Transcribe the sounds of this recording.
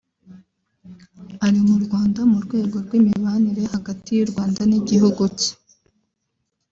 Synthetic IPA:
aɾimuɾɡwaːndamuɾɡwe̞ːɡo̞ɾɡwimiβaniɾe̞haɡatijuɾɡwaːndaniɟihuɡuci̥

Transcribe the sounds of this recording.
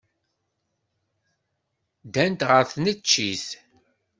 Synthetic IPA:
d̪ænt̪ʁəɾθnət͡ʃːiθ

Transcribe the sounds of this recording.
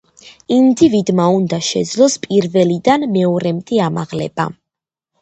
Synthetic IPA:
ind̪ivid̪maund̪aʃɛ̰d̪zlˠɔspʼiɾvɛlid̪anmɛɔɾɛmt̪ʼiamaʁlɛ̰ba̰

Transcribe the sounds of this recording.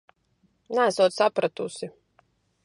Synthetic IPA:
næːsuɔt̪sapɾat̪usi

